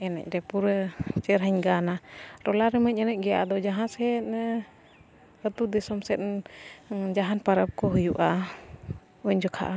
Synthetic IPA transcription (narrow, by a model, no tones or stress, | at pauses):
ɛnɛ̰c̚ˀɾɛpuɾət͡ʃɛɾɦəɲɡanaɾɔlaɾɛməc̚ˀɛnɛc̚ɡɛjaʔad̪ɔd͡ʒaɦãsɛt̪̚ | ət̪ud̪ɛsɔmsɛt̪̚ | d͡ʒaɦanpaɾəp̚kɔɦujuʔa | uɲd͡ʒɔkʰa̰ʔa